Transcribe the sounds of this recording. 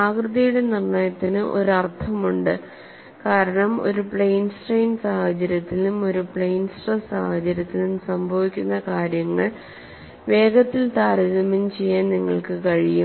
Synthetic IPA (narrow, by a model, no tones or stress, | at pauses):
aːkrɨðɐjuɽe̞nirnaːjɐt̪ːinɨʔo̞̰ɾɐrt̪ʰɐmuɳɖɨ | kaːɾɐɳɐmo̞̰ɾupɭejnsʈrejnsaːhɐt͡ɕɐɾʲjɐt̪ːilumo̞ɾupɭejnsʈrɐsa̰ːhɐt͡ɕɐɾjɐt̪ːilumsɐmbʱɐʋikʲːunːɐkaːɾjɐŋːɐɭ | ʋe̞ːɡɐt̪ːilt̪aːɾɐɣɐmɐmt͡ɕe̞jːaːnniŋːɐ̰ɭkɨkɐɻijum